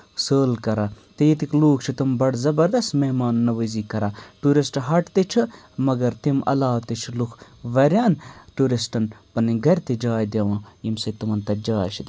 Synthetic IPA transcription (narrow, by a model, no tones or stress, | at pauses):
səːlkɐɾaːt̪ejit̪ikluːk̚ʰt͡ʃʰit̪umbɐɽzɐbɐɾd̪ɐst̪meɦmaːnnɐʋəziːkɐɾaːʈuːɾisʈɦɐʈt̪et͡ʃʰɨ | mɐɡɐɾt̪imɐ̰laːt̪it͡ʃʰulukʰʋɐɾʲjaːnʈuːɾisʈɐnpɐniɡɐɾʲt̪id͡ʒaːjd̪ʲɐʋãːimsɐt̪umɐnt̪ɐd͡ʒaːjt͡ʃʰi